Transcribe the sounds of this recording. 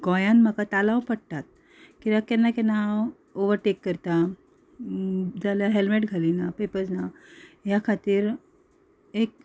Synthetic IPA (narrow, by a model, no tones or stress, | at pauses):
ɡɔjanməkat̪alawpəɽt̪at̪̚ | kiʋakɛnːakɛna | oʋəɾʈekːəɾt̪a | d͡zaljaɦelmeʈɡʱalinapepəd͡znajakʰat̪iːɾ | ek̚